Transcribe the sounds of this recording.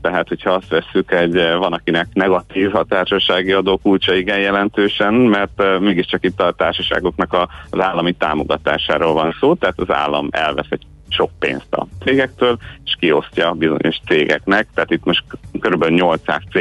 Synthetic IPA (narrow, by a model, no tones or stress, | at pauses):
t̪ɛɦat̪ho̞cʰɒɒst̪ʋɛsːykɛɟvɒnɒkinɛknɛɡɒt̪iːvɒt̪aːrʃɒʃaːɡiɒd̪oːkult͡ʃɒiɡɛnjɛlɛnt̪øːʃɛnmɛrt̪meːɡiʃt͡ʃɒkit̪ːɒt̪aːrʃɒʃa̰ːɡo̞knɒkɒzaːlːɒmit̪a̰ːmo̞̰ɡɒt̪a̰ːʃa̰ːɾoːlvɒnsoːt̪ɛɦat̪ɒza̰ːlːɒ̰mɛ̰lvɛsɛc | ʃo̞k̚pḛːnst̪ɒ̰t̪seːɡɛk̚t̪øːleʃkio̞scɒbizo̞̰ɲo̞ʃt̪seːɡɛ̰knɛk̚t̪ɛaːt̪it̪mo̞ʃt̪køɾybɛlyɲo̞lt̪sa̰ːst̪se